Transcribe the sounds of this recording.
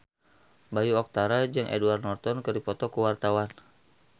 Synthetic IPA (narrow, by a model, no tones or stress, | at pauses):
bajuɔk̚t̪aɾad͡ʒɨŋʔɛ̰duarnɔrt̪ɔnkɨrdipɔt̪ɔkuwart̪awan